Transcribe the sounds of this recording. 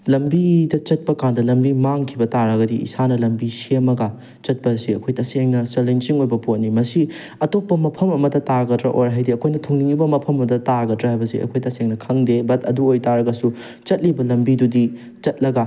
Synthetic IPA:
lɐmbidɐt͡ʃɐt̚pɐkandɐlɐmbimaŋkʰibɐtaɾɐɡɐdiḭsanɐlɐmbisemɐɡɐ | t͡ʃɐt̚pɐsiɐkʰojtɐseŋnɐsɐlent͡ʃiŋojbɐpot̚nimɐsi | ɐtopːɐmɐpʰɐmɐmɐdɐtaɡɐtɾɐ̰ʔo̰ɾɦajdiɐkʰojnɐtʰoŋniŋibɐmɐpʰɐmɐmdɐtaɡɐtɾɐɦajbɐsḭɐ̰kʰojtɐseŋnɐkʰɐŋdebɐtʰɐduojtaɾɐɡɐsu | t͡ʃɐt̚libɐlɐmbidudi | t͡ʃɐt̚lɐɡa

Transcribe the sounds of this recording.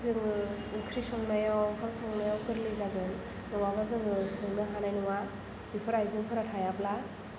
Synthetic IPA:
zɯŋ | ɯkʰɾisɔŋnajawhʰaŋsɔŋnajawkɯɾlɯjzaɡɯn | nɯwaβazɯŋsɔŋnɯɦanajnɯwa | bipʰɯɾajzɯŋkʰɯɾatʰajapla

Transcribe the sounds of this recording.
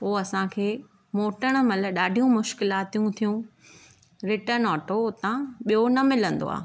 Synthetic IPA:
poːɐsãkʰeː | moːʈəɽ̃̆mɐlə̆ɗaːɖʱijũmʊʃkɪlaːt̪ijũt̪ʰijũ | ɾɪʈənɔːʈot̪ãɓijonɐmɪlə̃nd̪o̰a̰ː

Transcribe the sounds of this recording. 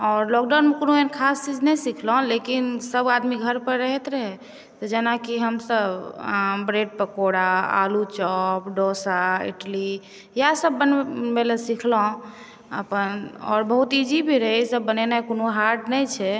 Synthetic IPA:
ɔɾlɔk̚ɖawnmekonoenkʰast͡ʃid͡ʒnɛjsikʰlõlekinsəbad̪miɡʱəɾpəɾɾəɦɛt̪ɾəɦɛ | t̪ɔd͡ʒenakiɦəmsəbʱbɾeɖ̚pəkoɽaa̰lut͡ʃɔpɖosaḭʈli | jasəbːənbelesikʰlõ | ə̰pənɔ̰ɾbəɦut̪id͡ʒibʱiɾəɦisəbːənenakonoɦaɾɖnɛjt͡ʃʰɛ

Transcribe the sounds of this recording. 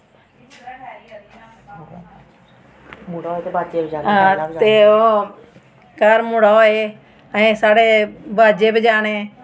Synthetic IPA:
muːɽaɦoeːt̪eːbʱaːd͡ʒebd͡ʒaːnãt̪eːoː | kaːɾmuːɽaɦoːeː | əẽːsaːɽeːbʱaːd͡ʒeːbɪd͡ʒaːneː

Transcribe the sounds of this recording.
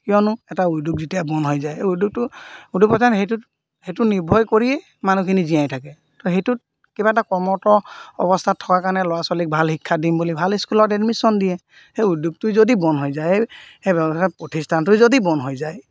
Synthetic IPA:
kijɔnʊɛtauduk̚zitijabɔnɦojzajeuduk̚tʊudupɔtaɦejtu | hejtʊniɹbʱɔjkoɹiɛ | manukʰiniziajtʰakɛ | tɔɦejtʊt | kibaɛtakɔmɔtɔɔ̰bɔstʰatʰːɔkakanɛlɔwasalik̚bʱalhikʰːadimbulibʱaliskulɔtɛdmisɔndijɛ | heudjuk̚tʊzodibɔnɦojzajhejbɛɔapɹotʰistʰantʊjzodibɔnɦojzaj

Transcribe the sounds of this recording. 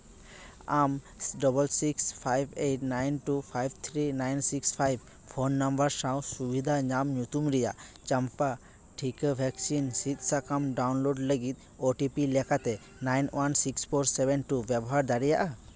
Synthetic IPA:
am | ɖɔbəlsikspʰajbeʈnajnʈupʰajbt̪ʰɾinajnsikspʰajb | pʰonːambəɾsãwsubid̪ʱaɲamɲut̪umɾɛja̰ʔt͡ʃampa | ʈʰikəbʱɛksinsit̪̚sakamɖawnloɖləɡit̪̚ | oʈipilɛkʰat̪ɛ | najnwʔansikspʰoɾsɛbɛnʈubjɛbɔɦaɾd̪aɾijaʔa

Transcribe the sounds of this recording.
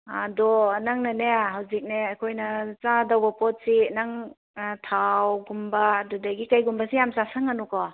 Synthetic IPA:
adɔnaŋnaneɦawzik̚neːkʰojnɐt͡ʃãdawbapɔt̚sinaŋ | tʰawɡumbadudaɡikajɡumbasijamsasaŋanukɔ

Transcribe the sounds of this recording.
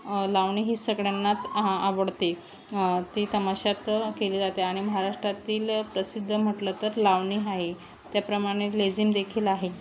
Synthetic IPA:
laʋɳ̃iːɦiːsəɡɽjanːat͡saʋəɽt̪e | t̪iːt̪əmaɕat̪keliːd͡zat̪eaɽ̃iməɦaɾaʂʈɾat̪iːlpɾəsid̪ʱːəm̤əʈlət̪əɾlaʋɳiaɦe | t̪japɾəmaɽ̃eled͡ziːmd̪ekʰiːlaɦe

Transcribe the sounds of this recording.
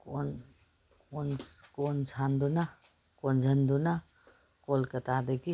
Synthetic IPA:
kon | konkonsʰand̪una | konzʱɐnd̪una | kolkɐt̪ad̪ɐki

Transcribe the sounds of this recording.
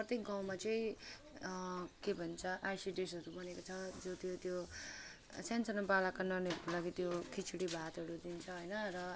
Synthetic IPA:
prʌt̪jek̚ɡaw̃mat͡sʌĩ | kebʱʌnt͡sʰʌʔajsiɖesʌɾubʌnekot͡sʰʌd͡zot̪jot̪jo | sansʌnbalakanʌrneɦʌɾkolaɡit̪jokʰit͡sʰuɽibʱat̪ɦʌɾud̪int͡sʰʌɦʌjnʌrʌ

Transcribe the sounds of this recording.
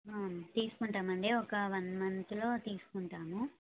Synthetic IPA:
aːmt̪iːsu̥kuɳʈaːmɐɳɖeːɔkɐʋɐnmɐnt̪ulo̞ːt̪iːsu̥kuɳʈaːmu

